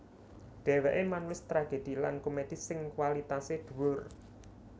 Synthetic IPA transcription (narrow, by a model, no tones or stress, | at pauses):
ɖ̪̥ɛ̤wɛʔemanulɪst̪ɾaɡ̥e̤d̪̥i̤lankomed̪̥i̤sɪŋkwalit̪ased̪̥ṳwʊr